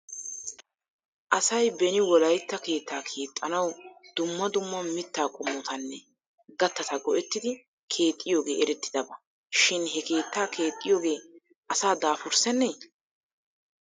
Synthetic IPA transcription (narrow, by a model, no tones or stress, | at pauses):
ʔɐsɐjbɛnɪwɔlɐjt̪ːɐke̞ːt̪ːaːkʰe̞ːt̪ʼːɐnɐwd̪̥ʊmːɐd̪ʊmːɐmɪt̪ːaːkʼʊmːɔt̪ɐnːɛ | ɡɐt̪ːɐt̪ɐɡɔʔɛt̪ːɪd̪ɪ | kʰe̞ːt̪ʼːɪjo̞ːɡe̞ːʔɛɾɛt̪ːɪd̪ɐbɐ | ʃɪnɦɛke̞ːt̪ːaːkʰe̞ːt̪ʼːɪjo̞ːɡe̞ː | ʔɐsaːd̪aːfʊɾsɛnːeː